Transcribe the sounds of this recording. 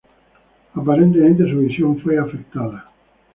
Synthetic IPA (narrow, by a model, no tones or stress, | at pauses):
apaɾent̪emẽnt̪esuβisjoɱfojafek̚t̪aðɐ